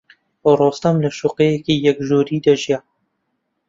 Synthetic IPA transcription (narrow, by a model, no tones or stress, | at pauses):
orɔːst̪ɐmləʃuqeːjɛkiːjɛkʒuːɾiːd̪ɐʒija